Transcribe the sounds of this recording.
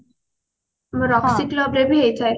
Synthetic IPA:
ɾɔksiklɔbɾebiɦejt͡ɕʰaj

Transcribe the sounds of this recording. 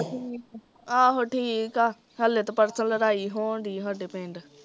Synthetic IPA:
i | aːɦoːʈʰiːkaː | ɦəleːt̪opəɾsənləɾaːiːɦoːɳɖiːɦəɖeːpẽːɳɖ

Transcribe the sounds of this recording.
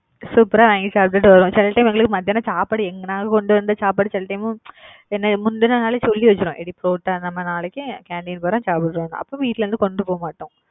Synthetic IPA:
suːpɐɾaːʋãːŋɡit͡ʃaːp̚ʈɐʈːɯʋɐɾõːt͡ʃɛlːɐʈɐɪmɛŋɡɐɭɯkːɯmɐd̪ɪjaːnɐsaːpaːɽɯɛŋɡɐnaːŋɡɐkɔɳɖɯʋɐnd̪ɯsaːpaːɽɯt͡ʃɛlːɐʈɐɪm̃ | ɛnːɐmʊnd̪ɯnɐnaːlɛsɔlːiʋɐt͡ʃːɪɾõʔɛɽipɾoːʈːanɐmːɐnaːɭɛkːɯkaːɳɖiːnpɐːɾõːt͡ʃaːpɐʈɾõːnã̰ʔɐ̰pːõːʋiːʈːlɐɾɯnd̪ɯkɔɳɖɯpoːɐmaːʈːõː

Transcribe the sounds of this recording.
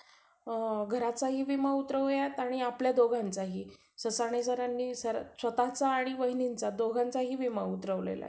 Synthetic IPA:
ɡʱəɾat͡saɦiːʋimaut̪ɾəʋljaet̪aɽ̃iapljad̪oɡʱãnt͡saɦiː | səsaɽ̃es̬əɾanːiːsəɾsʋət̪at͡saːɽ̃iʋəɦinint͡sad̪oɡʱãnt͡saɦiːʋimaut̪ɾəʋlḛla̰

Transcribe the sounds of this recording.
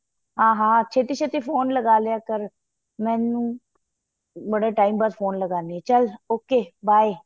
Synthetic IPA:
ɦãːɦãːt͡ʃʰeːt̪iːt͡ʃʰet̪iːfʰoːnləɡaːleaːkəɾ | mɛ̃ːnũː | bəɽaːʈaːimbaːd̪fʰoːnləɡaːniɛːt͡ʃəloːkeːbaːe

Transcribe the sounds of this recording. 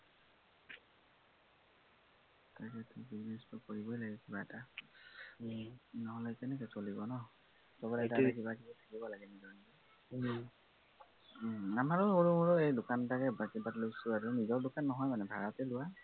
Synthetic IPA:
takɛtʊbiznestʊkoɹibɔjlaɡɛkibaɛta | nɔɦɔlɛkɛnɛkɛsolibɔnɔ | sɔbɔɾɛtaakibakibɔtʰḁkibɔlaɡɛnizɔɹniti | amaɹʊoɹumuɹɔejdʊkantakɛbakibatlojsʊaɹʊnizɔɹdʊkanːɔɦɔjmanɛbʱaɹɔtɛlʊwa

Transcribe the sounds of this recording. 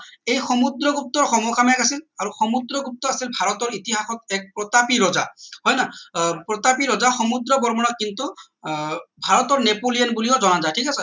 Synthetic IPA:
ejxɔmud̪ɾɔɡup̚t̪ɔɹxɔmɔkʰamɛkasilaɹuxɔmud̪ɹɔɡup̚t̪ɔasilbʱaɹɔt̪ɔɹit̪iɦaxɔt̪ɛk̚pɹɔt̪apiɹɔzahɔjnapɹɔt̪apiɹɔzaxɔmud̪ɾɔbɔɹmɔnɔt̪̚kint̪u | bʱaɹɔt̪ɔɹnepolijanbulijɔzɔnazajtʰikasɛ

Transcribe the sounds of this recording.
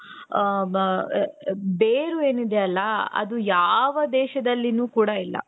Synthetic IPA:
beːɾue̞ːnid̪eɐlːɐɐ̰d̪ujaːʋɐd̪ɛːʃɐd̪ɐlːinuːkuːɽɐilːɐ̰

